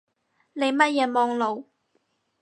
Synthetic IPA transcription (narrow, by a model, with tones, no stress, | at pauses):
ne˨˧jmɐ˥t̚jɛː˨˧mɔː˧ŋlo˨˧w